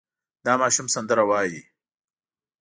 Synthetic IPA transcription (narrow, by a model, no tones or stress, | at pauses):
d̪ɑːmɑːʃumsɐnd̪əɾawɑːji